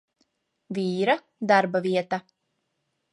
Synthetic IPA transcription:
viːɾa | d̪aɾbaviɛt̪a

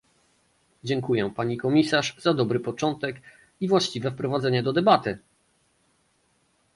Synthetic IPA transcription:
d͡ʑɛŋkujɛpaɲikɔmʲisaʂzad̪ɔbɾɘpɔt͡ʂɔnt̪ɛk | ivwaɕt͡ɕivɛfpɾɔvad̪zɛɲɛd̪ɔd̪ɛbat̪ɘ

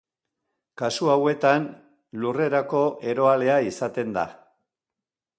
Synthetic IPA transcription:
kasuawe̞t̪an | lure̞ɾako̞ʔe̞ɾo̞ale̞aisat̪e̞nd̪a̰

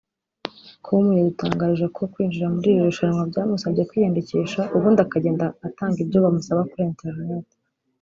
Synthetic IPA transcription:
kʰumujeɡutaːŋɡaːɾiʒekʰo̞kwiːnd͡ʒiɾamuɾiːɾiɾuʃaɾmwabɟaːmusabɟekwiːjeːndeceːʃaʔuβundakaɟe̞ːndaːtaːŋɡibɟo̞βamusaβakuɾeːntʰeɾinete̥

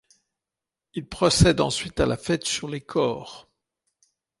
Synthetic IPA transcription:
ilpχɔsɛd̪ɑ̰̃sɥit̪alʔafɛt̪syʁlekʰɔːʁ

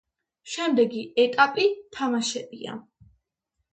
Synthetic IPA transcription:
ʃɛmd̪ɛɡiɛt̪ʼapʼit̪ʰamaʃɛbia̰

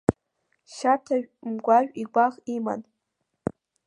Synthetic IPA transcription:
ʃatʰaʒᶣmɡʷaʒᶣiɡʷaχima̰n

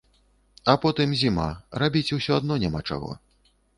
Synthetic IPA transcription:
ɐpɔt̪ɨmzʲima̰rabʲit͡sʲuwsʲɔad̪nɔnʲamat͡ʂa̰ɣɔ̰

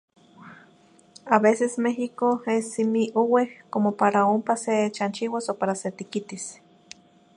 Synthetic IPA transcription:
aβesesmeɦikoesimiʔowehkomopaɾaompaset͡ʃant͡ʃiwasopaɾaset̪ikit̪is

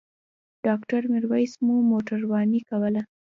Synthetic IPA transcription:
ɖ̥ɑkʈaɾmɪɾwajsmumoʈaɾwɑnikawəla

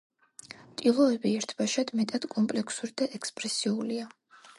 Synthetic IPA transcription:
t̪ʼilˠɔɛbiɛɾt̪ʰb̥aʃad̪̥mɛt̪ʼad̪̥kʼɔmpʼlɛkʰsuɾid̪aʔɛkspʼɾɛsiulia

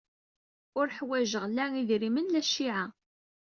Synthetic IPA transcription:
ʊɾħwæʒəʁlæiðɾimənlæʃiʕa

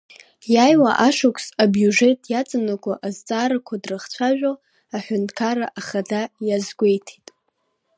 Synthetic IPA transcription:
jajwaʔaʂʊkʷʰsabjuʐetʼjat͡sʼanakʷʰʼaʔazt͡sʼaːɾakʷʰadrɨχt͡ɕʷʰaʒᶣʷo | aħʷᶣʊntʰkʰaɾaʔaχadajazɡʷejtʰitʼ

